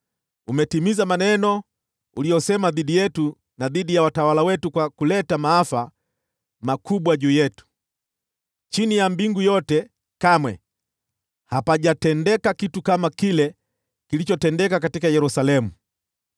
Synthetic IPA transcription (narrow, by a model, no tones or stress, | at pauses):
umɛtimizamanɛnɔ | ulijɔsɛmaðiɗijɛtu | naðiɗijawatawalawɛtukwakulɛtamaafa | makuɓwaʄuːjɛtu̥ | t͡ʃinijambiŋɡujɔtɛ | kamwɛ̰ | hapaʄatɛndɛkakitukamakilɛ | kilit͡ʃɔtɛndɛkakatikajɛɾusalɛmu